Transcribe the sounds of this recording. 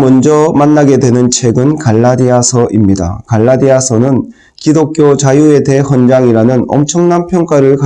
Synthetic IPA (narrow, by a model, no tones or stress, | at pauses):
mʌnd͡ʑʌmanːaɡe̞dwe̞nɯnt͡ɕʰeɡɯnkaɭːadiasʰʌʔimɲida̰kaɭːadiasʰʌnɯn | kidokʰjot͡ɕajue̞de̞hʌnd͡ʑaŋiɾanɯnʌmt͡ɕʰʌŋnanpʰjʌŋk͈aɾɯɭka